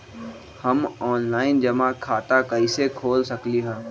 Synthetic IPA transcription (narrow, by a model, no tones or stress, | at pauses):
həmɔːnlaːɪnd͡ʒɐmãkʰaːt̪akəɪsekʰoːlsəkliɦɛ̃ː